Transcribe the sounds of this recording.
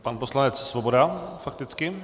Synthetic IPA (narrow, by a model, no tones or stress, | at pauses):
panposlanɛt̪t͡ssvɔbod̪afakt̪ɪt͡skɪ